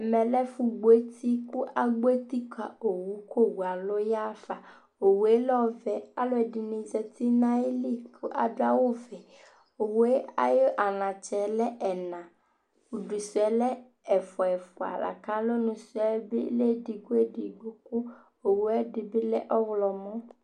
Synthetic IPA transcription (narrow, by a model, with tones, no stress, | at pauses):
mɛ̃˨lɛ˦fu˧ɡ͡bo˨e˦t̪i˦ku˦ʔa˨ɡ͡bo˦e˦t̪i˦ka˨o˨wu˨˦ko˦˨wu˨a˨lo˦ja˦fa˨ | o˨we˦lɔ˦vɛ˨a˨lo˦ɛ˨di˨nĩ˧zɛ˧t̪i˦nã˦e˦li˦˨kʰu˦ʔa̰˨do˦a˦wo˦˨vɛ˨ | o˨we˦a̰˨jo˦ʔa˨nã˨t͡ʃɛ˨˦lɛ˦ʔɛ˨nã˨ | u˨du˨su˨ɛ˨˦lɛ˦ | ɛ˨fɔ˨ɛ˨fu˨a̰˨la̰˨kã˨˦lo˦nũ˧su˨˦ɛ˨˦be˦le˦˨di˧ɡo˦e˦˨di˨ɡ͡bu˦ku˦ | o˨wu˨˦ɛ˦di˧bi˦lɛ˦ʔɔ˦wlɔ˧mɔ̃˦